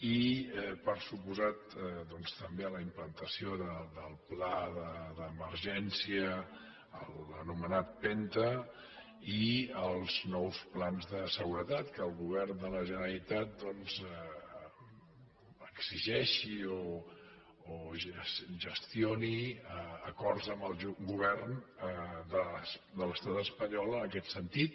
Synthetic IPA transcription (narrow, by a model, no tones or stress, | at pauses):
iɛpəɾsupuzat̪d̪ɔnst̪əmbeələimplənt̪əsioðəd̪əlˠplaðəðəməɾʒɛnsiə | ələnumənat̪̚pɛnt̪ə | iəlˠznɔwsplanzðəsəɣuɾət̪at̪kəːlˠɣuβɛrnd̪ələʒənəɾəlit̪at̪̚d̪ɔnzə | əkz̥iʒɛʃioː | ʒsʒəst̪ioniəəkɔrtzəmbəlˠɡuβ̞ɛrnəd̪əd̪ələst̪at̪əspəɲɔlˠənəkɛt̪sənt̪it̪̚